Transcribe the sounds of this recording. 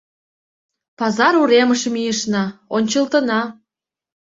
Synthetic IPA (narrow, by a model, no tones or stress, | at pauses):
pɑzɑɾuɾeməʃə̆mijə̆ʃnɑonʲt͡ɕəlt̪ə̆nɑ